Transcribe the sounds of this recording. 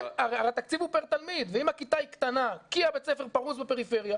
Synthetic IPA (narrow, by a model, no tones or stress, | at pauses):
aʁaʁat̪akt͡sivupeʁt̪almid̪veimakit̪aikt̪anakiabe̞t͡sefe̞ʁpaʁuzbepe̞ʁife̞ʁja